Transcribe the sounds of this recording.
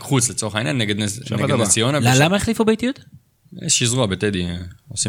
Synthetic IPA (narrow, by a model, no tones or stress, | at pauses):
χut͡slet͡so̞eχainjanːeɡed̪neɡd̪nnet͡sijonalalamaeχlifubejt̪ijut̪ | ḛʃiːzʁuabeted̪iosi